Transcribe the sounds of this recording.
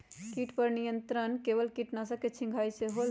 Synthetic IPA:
kiʈpəɾnijənt̪ɾənkeʋəlkiʈnasəket͡ʃʰĩŋɡʱajseɦol

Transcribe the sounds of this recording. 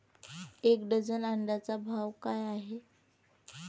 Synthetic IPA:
ekɖəd͡zənaɳɖat͡sabʱaʋkajaɦe

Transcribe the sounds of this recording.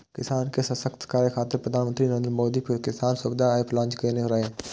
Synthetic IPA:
kɪsaːnkesəsəkt̪kaːɾjəkʰaːt̪ːɪɾpɾəd̪ʱaːnmənt̪ɾinəɾeːnd̪ɾmoːd̪iːkɪsaːnsʊbd̪aːɪpʰlãːnt͡ʃkeneɾaeː

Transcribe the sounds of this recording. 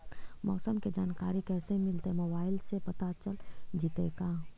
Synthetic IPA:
mɔːsəmked͡ʒaːnkaːɾikɛːsemɪlt̪emobaːɪlsepɐt̪at͡ʃəld͡ʒɪt̪ek̪aː

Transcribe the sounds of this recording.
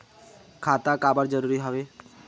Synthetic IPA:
kʰaːt̪ãkaːbəɾd͡ʒəɾuːɾiɦoːʋeː

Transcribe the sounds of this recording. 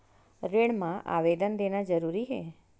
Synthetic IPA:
ɾeɽmãʔa̰ʋed̪ənd̪enad͡ʒəɾuɾiɦḛ

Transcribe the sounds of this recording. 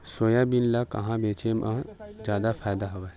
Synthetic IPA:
soːjabinlakɐ̰ɦãbeːt͡ʃemʔãd͡ʒjaːd̪afʰaːjd̪aɦoʋe

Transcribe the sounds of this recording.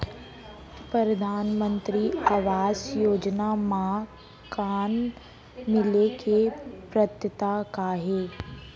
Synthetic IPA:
pɾɾəd̪ʱaːnmə̃nt̪ɾiaːʋaːzjoːd͡ʒnama | kaːn | mɪlekepɾət̪jət̪akaɦeː

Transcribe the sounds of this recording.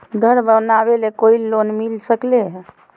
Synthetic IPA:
ɡʱəɾbənabelekoilːonmilsəkleɦ

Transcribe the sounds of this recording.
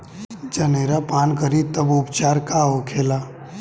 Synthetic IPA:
d͡ʒəneːɾapaːnkəɾit̪əbʊpt͡ʃaːɾkaɦokʰeːlaː

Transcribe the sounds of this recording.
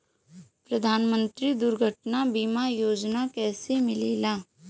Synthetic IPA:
pɾəd̪ʱaːnmə̃nt̪ɾid̪ʊɾɡʱəʈnabiːmajoːd͡ʒnakɛːsemɪleːlaː

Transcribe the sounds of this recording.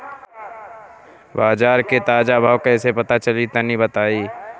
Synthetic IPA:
baːd͡ʒaːɾket̪aːd͡ʒabʱaːʋkaːsepɐt̪at͡ʃəlit̪ɐnibət̪aːiː

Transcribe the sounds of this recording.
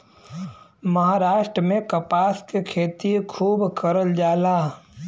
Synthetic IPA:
mɐɦaːɾaːʃʈɾəmẽkɐpaːskekʰeːt̪ikʰuːbkəɾəld͡ʒaːlaː

